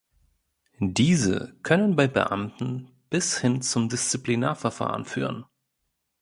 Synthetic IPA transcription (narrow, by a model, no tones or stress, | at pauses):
diːzə̰kʰœnənbaɪbə̰ʔa̰mtn̩ | b̥ɪshɪnt͡sʊmdɪst͡siplina̰ːɐfɛɐfa̰ːʁənfy̰ːʁən